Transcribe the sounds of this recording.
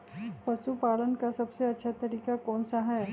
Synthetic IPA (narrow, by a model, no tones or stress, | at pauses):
pɐsupaːlənkasɐbseɐtːʃʰat̪ɐɾiːkakɔːnsaɦɛ